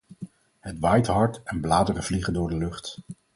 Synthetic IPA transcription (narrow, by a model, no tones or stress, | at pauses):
ɦətʋajtɦɑɹtɛnblaːdərəv̥liχəndʊːɹdəlɵχt